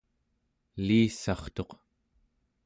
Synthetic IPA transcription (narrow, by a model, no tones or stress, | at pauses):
liːsɑχt̪o̞q